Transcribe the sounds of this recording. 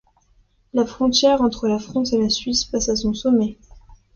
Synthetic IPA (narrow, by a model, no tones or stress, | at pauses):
lafχɔ̃t̪jɛʁɑ̃t̪χəlafχɑ̃selasɥispasasɔ̃sɔmɛ